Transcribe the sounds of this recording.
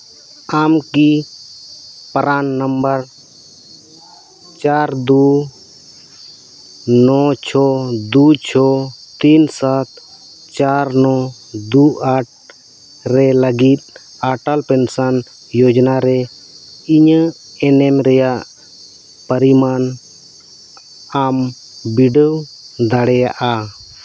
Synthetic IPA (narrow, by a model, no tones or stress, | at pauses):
aːmki | pəɾaːnːəmbəɾ | t͡ʃaːɾd̪u | nɔt͡ʃʰɔd̪uːt͡ʃʰɔt̪iːnsat̪ʰ | t͡ʃaːɾnɔ | d̪uaʈ̚ | ɾɛləɡit̪̚ˀ | aʈalpɛnsan | jɔd͡ʒnaɾɛ | iɲə | ɛnɛmɾɛjaʔ | pəɾiman | am | biɖəwd̪aɽɛjaʔa